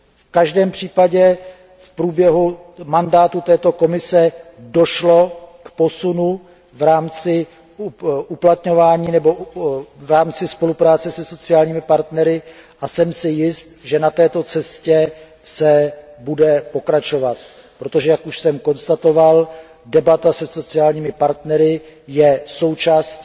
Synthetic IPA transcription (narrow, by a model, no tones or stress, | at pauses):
fkaʒdɛːmpr̝̥iːpaɟɛ | fpɾuːbjɛɦumandaːt̪ut̪ɛːt̪o̞ko̞mɪsɛdo̞ʃlo̞kpo̞sunu | vɾaːmt͡sɪ | ʔuplat̪ɲo̞vaːɲiːnɛbo̞vɾaːmt͡sɪspo̞lupɾaːt͡sɛsɛso̞t͡sɪaːlɲiːmɪpaɾt̪nɛɾɪʔasɛmsɪjɪst̪ʒɛnat̪ɛːt̪o̞t͡sɛscɛ | sɛbudɛpo̞kɾat͡ʃo̞vat̪̚ | pɾo̞t̪o̞ʒɛjakuʃsɛmko̞nst̪at̪o̞val | dɛbat̪asɛso̞t͡sɪaːlɲiːmɪpaɾt̪nɛɾɪjɛso̞wt͡ʃaːsc